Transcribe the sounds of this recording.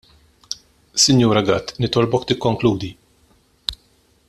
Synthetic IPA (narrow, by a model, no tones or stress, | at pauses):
sɪnjuːɾɐɡɐt̪ːnɪt̪ɔlbɔkt̪ɪkːɔŋkluːd̪i